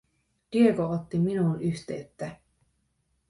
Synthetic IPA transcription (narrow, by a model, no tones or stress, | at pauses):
d̥iekoot̪ːiminuːnyçt̪eyt̪ːæ